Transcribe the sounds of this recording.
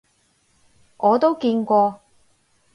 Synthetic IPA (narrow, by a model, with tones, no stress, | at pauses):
ŋɔː˨˧t̪o˥wkiː˧nkʷɔː˧